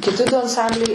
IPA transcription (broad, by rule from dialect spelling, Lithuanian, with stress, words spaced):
kʲɪˈtʲɪ dʊ ɐnˈsɐmʲbʲlʲɛɪ